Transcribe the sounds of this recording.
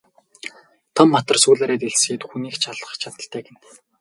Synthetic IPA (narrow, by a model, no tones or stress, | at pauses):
t̪ʰɔmːat̪ə̆rsuːɮaːɾeːt̪eɮsiːt̪xuniːkt͡ɕʰaɮə̆χt͡ɕʰat̪ə̆ɬt̪ʰæːkĕn